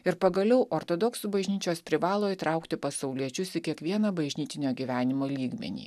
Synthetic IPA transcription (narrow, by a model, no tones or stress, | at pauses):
ɪɾpɐɡɐlʲɛʊʔoːɾt̪oːd̪ɔksuːbɐʒʲnʲiːt͡ʃʲoːspʲɾʲɪʋɑːlˠoːiːt̪ɾɐˑʊkt̪ʲɪpɐsɐʊlʲiɛt͡ʃʲʊsɪkʲiɛkʋʲiɛnɐbɐʒʲnʲiːt̪ʲɪnʲoːɡʲiʋʲæːnʲɪmoːlʲiːɡmʲɛ̰nʲḭː